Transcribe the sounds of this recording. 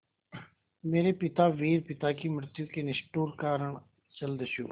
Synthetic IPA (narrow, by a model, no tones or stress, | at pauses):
meːɾeːpɪt̪aːʋiːɾpɪt̪aːkiːməɾt̪juːkeːnɪsʈuːɾkaːɾəɳ | t͡ʃəld̪əʃṵː